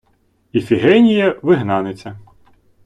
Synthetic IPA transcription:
ifʲiɦɛnʲijɐʋɪɦnɑnet͡sʲːɐ

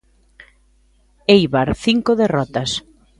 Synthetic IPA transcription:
ejβaɾθiŋkoðerɔt̪ɐs

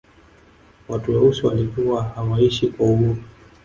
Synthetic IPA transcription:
watujɛusiwalikuahawaiʃikwauɡuɾu

